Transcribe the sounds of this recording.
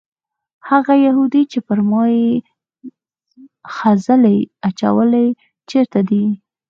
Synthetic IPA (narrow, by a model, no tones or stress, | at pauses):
haɣajahud̪it͡ʃepəɾmɑje | xazəlajat͡ʃa̰wəlaj | t͡ʃeɾt̪ad̪i